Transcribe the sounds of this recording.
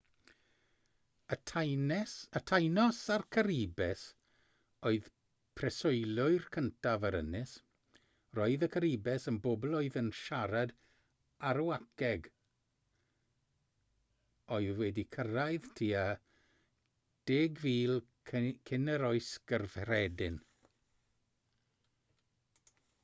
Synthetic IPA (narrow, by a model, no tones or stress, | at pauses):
ətʰjnɛsətʰajnɔsarkʰəɾibɛs | oɨð | pʰrɛsʊɨlˠʊɨrkʰəntʰavəɾə̰nɪs | roːɨðəkʰəɾibɛsənbobɔlˠoɨðənʃaɾad | aɾuakʰɛɡ | oɨðwɛdikʰəɾaɨðtʰiːa | d̥eːɡviːlˠʰ | kʰɪnɛɾɔɨsɡ̥ərv̥rɛdɪn